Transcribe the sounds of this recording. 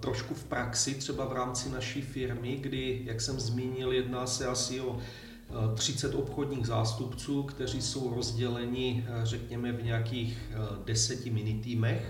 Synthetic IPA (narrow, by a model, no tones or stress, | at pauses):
t̪ɾoʃkufpɾaksɪt̪r̝̥ɛbavɾaːmt͡sɪnaʃiːfɪɾmɪɡdɪjaksɛmzmiːɲɪljɛdnaːsɛasɪo̞ | t̪r̝̥ɪt͡sɛt̪o̞pxo̞dɲiːɣzaːst̪upt͡suːkt̪ɛr̝iso̞wɾo̞zɟɛlɛɲɪrɛkɲɛmɛvɲɛjakiːx | dɛsɛcɪmɪnɪt̪iːmɛx